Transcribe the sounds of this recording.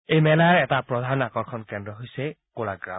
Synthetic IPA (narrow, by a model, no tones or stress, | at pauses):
ejmɛlajɹɛtapɹɔdʱanakɔɹkʰɔnkɛndɹɔɦojsɛ | kolaɡɹa̰